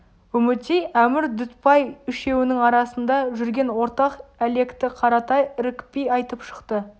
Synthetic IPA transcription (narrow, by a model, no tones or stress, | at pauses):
ɵmɪt̪ejʔæmɪɾd̪ʏt̪pɑjʏʃe̞wɪnɪŋɑɾɑsənd̪ɑʒʏɾɡʲe̞nwo̞ɾt̪ɑqæle̞kt̪ɪqʰɑɾɑt̪ɑjɾɪkpijɑjt̪əpʃə̥qt̪ə